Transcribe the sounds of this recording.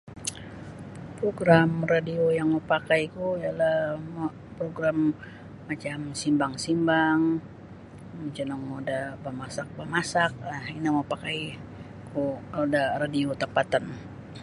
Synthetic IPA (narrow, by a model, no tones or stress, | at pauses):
pɾoɡɾamradiojaŋmopakajkuialahm | pɾoɡɾamː | at͡ʃamsimbaŋsimbaŋ | mət͡ʃənaŋmodabəmasak̚bəmasak̚ahinamapakai | kuodaradiot̪əpat̪ən